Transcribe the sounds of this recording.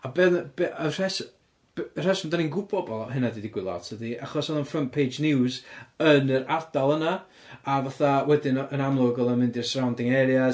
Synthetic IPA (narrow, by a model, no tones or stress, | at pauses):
abɛðbeər̥ɛs | br̥ɛsɔmdaninɡʊbɔbɔlˠhɨnadidɪɡwɪlˠaɔ̰tʰədiaχɔsɛðˠənfrəmpʰejd͡ʒnɪwzənəɾardalˠəna | avaθawɛdɪnənamlˠʊɡəlˠəmɪndɪrsrawndɪŋɛɾja